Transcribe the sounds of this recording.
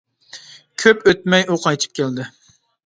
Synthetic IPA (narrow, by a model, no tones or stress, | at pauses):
kʲʰøpøt̪̚mɛjuqʰɑjt͡ʃ̪ʰɨ̥p̚kʲʰeld̪ɪ